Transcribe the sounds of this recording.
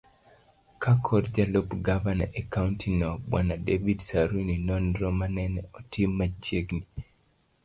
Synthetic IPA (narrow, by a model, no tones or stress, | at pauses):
kakʰɔɾd͡ʒalobɡavana̰ʔekauntʰinɔbwa̰nadevidsaɾuninɔndɾɔmanɛnɛɔtʰɪmːad͡ʒeɡni